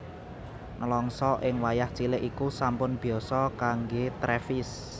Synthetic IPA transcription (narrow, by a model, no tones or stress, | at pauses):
ŋəlɔŋsɔʔɪŋwajaht͡ʃilɪʔikusampʊnb̥i̤ɔsɔkaŋɡet̪ɾɛfɪs